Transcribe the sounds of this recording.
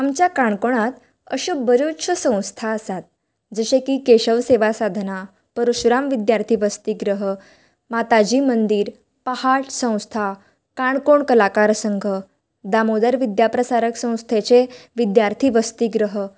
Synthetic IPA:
amt͡ɕjakaɳkoɳ̃at̪ | ə̰ɕobəɾoɕʰəsə̃w̃st̪ʰaəsat̪̚ | d͡zəɕekiːkeɕəʋseʋasad̪ʱna | pəɾuɕɾamʋid̪jaɾt̪ʰiːʋəst̪iːɡɾəɦə | mat̪ad͡ʑiːmənd̪iːɾ | pəhaʈsə̃w̃st̪ʰa | kaɳkoɳkəlakaɾsəŋɡʱə | d̪amod̪əɾʋid̪japɾəsaɾəksə̃w̃st̪ʰet͡seʋid̪jaɾt̪ʰiːʋəst̪iːɡɾəɦə

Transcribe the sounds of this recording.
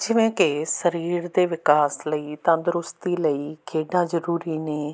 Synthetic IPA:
d͡ʒɪʋẽːkɪsəɾiːɾd̪eːʋɪkaːsləiːt̪ãːd̪ʊɾʊst̪iːləiːkʰeːɖãːzəɾuːɾiːneː

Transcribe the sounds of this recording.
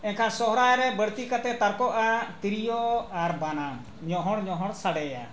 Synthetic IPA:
ɛnkʰasɔɦɾajɾɛbəɽt̪ikat̪ɛt̪aɾkɔʔat̪iɾijɔaɾbanam | ɲɔɦɔɽɲɔɦɔɽsaɽɛja̰

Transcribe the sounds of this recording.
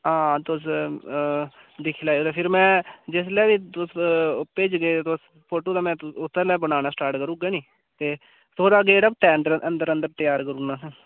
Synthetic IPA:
ɦãːt̪ʊs̬ | d̪ɪkʰːlaːoːd̪epʰɪɾmɛ̃ːd͡ʒɪs̬lɛːʋiːt̪ʊspeːd͡ʒɡeːt̪ʊs | pʰoːʈoːd̪aːmɛ̃ːt̪ʊt̪ʰːəɾlɛːbənaːnaːsʈaːɾʈkəɾũːɡaːniː | t̪eː | t̪ʰoːɽaːɡeːʈəb̚t̪ɛːnd̪əɾənd̪əɾənd̪əɾt̪ɪjaːɾkəɾũːnaːsː

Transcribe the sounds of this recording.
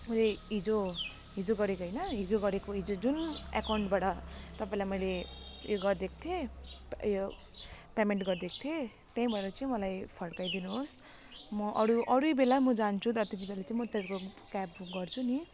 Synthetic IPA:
mʌjleɦid͡zo | ɦid͡zoɡʌɾekoɦʌjnʌɦid͡zoɡʌɾekoɦid͡zod͡zuna̰kawɳʈbaʈʌt̪ʌpãĩlajmʌjlejoɡʌrd̪ek̚ʰt̪ʰje | jo | pemeɳʈɡʌrd̪ek̚ʰt̪ʰje | t̪aĩbʱʌeɾʌt͡saĩmʌlajpʰʌɽkajd̪inuɦos | mʌʔʌɾuʔʌɾubelamʌd͡zant͡sʰut̪ʌt̪et̪ibelat͡saĩmʌt̪ʌɾko | kapɡʌrt͡sʰuni

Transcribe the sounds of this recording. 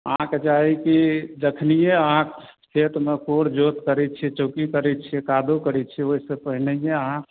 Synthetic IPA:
ã̰ked͡ʒaɦikid̪ekʰnijeəɦãk | t̪ʰet̪mekoɾd͡ʒot̪kəɾɛt̪̚t͡ʃʰɛt͡ʃokikəɾɛt̪̚t͡ʃʰiɛkad̪okəɾɛt͡ʃʰɛoɦisepəɦinejẽəɦã

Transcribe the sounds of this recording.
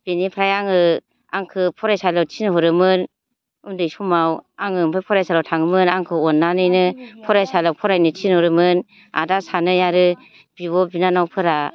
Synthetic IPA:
b̥enipʰɾajaŋɯ | a̰ŋkʰɯpʰɔɾajsalawtʰinɦɔɾɯmɯn | undɯjsumawaŋɯmpʰapʰɔɾajsalawtʰaŋɯmɯnaŋkʰɯɔnːanɯjnɯpʰɔɾajsalawpʰɔɾajnɯtʰinhɔɾɯmɯn | a̰dasanɯjaɾɯ | b̥iwɔbinanawpʰɯɾa

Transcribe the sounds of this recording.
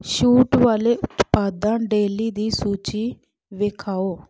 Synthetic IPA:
ʃuːʈʋaːleːʔʊt̪paːd̪ãːɖeːliːd̪iːsuːt͡ʃiː | ʋeːkʰaːoː

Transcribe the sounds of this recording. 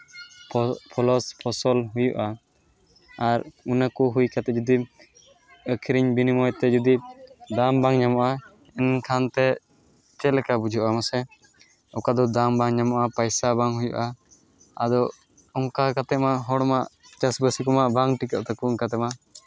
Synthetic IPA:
pʰɔlɔspʰɔsɔlɦujṵʔa | ɾunakuɦujkat̪ɛd͡ʒɔd̪i | əkʰiɾiɲbinimɔjt̪ɛd͡ʒud̪id̪ambaŋɲamɔʔa | ɛnkʰant̪ɛ | t͡ʃɛlɛkabud͡ʒʱuʔamasɛ | ɔkad̪ɔd̪ambaŋɲamɔʔapajsabaŋɦujṵʔa | ad̪ɔ | ɔŋkakat̪ɛʔmaɦɔɽɔmaʔt͡ʃasbəsikɔmaʔbaŋʈikəʔt̪ɛkuŋkat̪ɛma

